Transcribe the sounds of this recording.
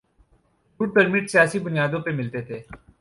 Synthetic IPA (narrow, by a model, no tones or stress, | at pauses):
uːɖ̚pəɾmɪʈsijaːsibʊnijaːd̪õpemɪlt̪et̪ʰeː